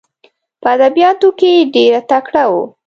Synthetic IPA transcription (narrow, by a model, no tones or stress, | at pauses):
pəad̪abijɑt̪okeɖeɾat̪akɽawo̰